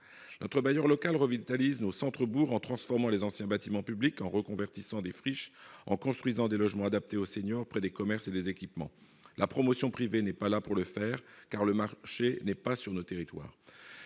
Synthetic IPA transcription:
nɔt̪χəbajœʁlɔkalʁəvit̪aliznosɑ̃t̪χəbuʁɑ̃t̪χɑ̃sfɔʁmɑ̃lezɑ̃sjɛ̃bat̪imɑ̃pyblikɑ̃ʁəkɔ̃vɛʁt̪isɑ̃d̪efχiʃɑ̃kɔ̃st̪χwɥizɑ̃d̪elɔʒmɑ̃ad̪ap̚t̪eoseɲjɔʁpχɛd̪ekɔmɛʁsed̪ezekʲipmɑ̰̃ | lapχɔmɔsjɔ̃pχivenɛpalapuʁləfɛːʁkaʁləmaʁʃenɛpasyʁnot̪eʁit̪wa̰ːʁ

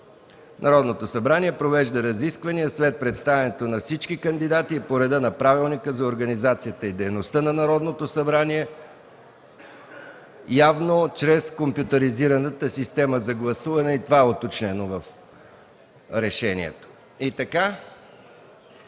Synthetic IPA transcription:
nɐɾɔd̪not̪osɐbɾaniɛpɾovɛʒd̪əɾɐziskvɐniəslɛt̪̚pɾɛt̪st̪avʲɛnɛt̪onɐfsit͡ʃkikənd̪id̪at̪iːpoɾɛd̪ənɐpɾavilˠnikəzɐoɾɡənizat̪sijət̪əid̪ɛjnost̪ənɐnɐɾɔd̪not̪osɐbɾaniɛ | javnot͡ʃɾɛskompjut̪əɾiziɾənət̪əsist̪ɛməzɐɡlˠɐsuvɐnɛit̪ovaɛot̪ot͡ʃnɛnovəf | ɾɛʃɛnḭɛ̰t̪o̥ | it̪ɐka

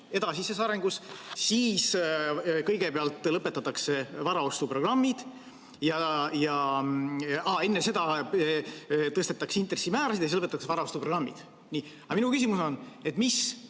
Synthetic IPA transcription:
e̞d̪̥ɑsisesɑɾe̞ŋɡ̥ussiːs | kɤjɡepeɑlt̪ˑːlɤpːˑe̞t̪ːˑɑt̪ːˑɑkse̞vɑɾɑo̞st̪upro̞ɡ̥rɑmːid̪̥ | jɑjɑ | ɑe̞nːese̞d̪̥ɑ | t̪ɤst̪et̪ːˑɑkseint̪ˑre̞sːimæːɾɑsid̪jsislɤpet̪ːɑkseɑɾɑost̪upro̞ɡrɑmːḭd̪̥ | ni | ɑminukysimuso̞ne̞t̪ːˑmis

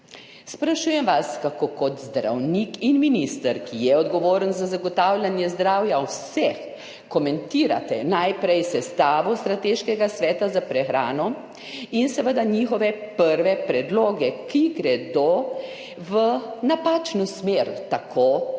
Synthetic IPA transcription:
spɾaʃuːjɛmʋaskakoːkɔt̪zd̪ɾa̰wnikinminist̪əɾkijɛɔd̪ɡɔʋoːɾənzazaɡɔt̪aːwlʲanjɛzd̪ɾawjawsɛx | kɔmɛnt̪iːɾa̰t̪ɛ̰najpɾɛjsɛst̪aːʋɔst̪ɾat̪eʃkɛɡasʋɛːt̪azapɾɛxɾaːnɔ | insɛʋəd̪aɲixɔʋɛpəɾʋɛpɾɛd̪loːɡɛkiɡɾɛd̪o | ʋənapaːt͡ʃnusmeɾt̪akʰo

